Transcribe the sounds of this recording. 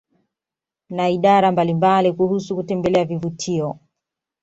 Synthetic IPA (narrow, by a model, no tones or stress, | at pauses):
naiɗaɾambalimbalikuhusukutɛmbɛlɛavivutʰiɔ